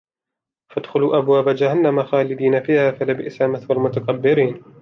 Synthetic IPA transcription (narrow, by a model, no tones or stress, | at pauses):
fad̪xʊluːʔabwaːbad͡ʒahanːamaxaːlɪd̪iːnafiːhaːfalɪbɪʔsaːmɪθwalmʊt̪aqabːɪɾiːn